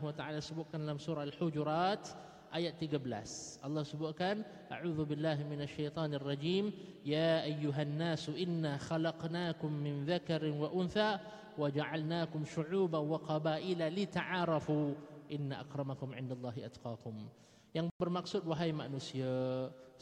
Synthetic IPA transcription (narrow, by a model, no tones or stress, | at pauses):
wat̪aʕaːlasəbʊt̪̚kanalamsuɾɑalħʊd͡ʒɾˤɑt̪ | ʔajat̪ːiɡabəla̰sʔɑlˤːɑhsəbʊt̪̚kan | ʔa̰ʕuːðubɪlːaːɦmɪnaʃːajt̪ˤɑːnarˤːɑd͡ʒiːm | jaːʔajːʊɦanːaːsuʔɪnːaxalɑqnaːkʊmːɪnðakaɾɪnwaʔʊnθa | wad͡ʒaʕalnaːkʊmʃʊʕuːbanwaqɑbaːʔɪlalit̪aʕaɾˤɑfuʔɪnːaʔa̰qɾˤɑmakʊmʕɪndalˤːɑːɦiʔat̪qɑːkʊm | jaŋbərmaksʊd̚waɦajma̰ʔnusia